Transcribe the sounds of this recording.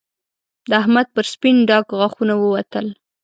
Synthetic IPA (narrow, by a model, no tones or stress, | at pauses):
d̪əaɦmad̪̚pəɾspinɖɑkɣaxunawəwat̪əl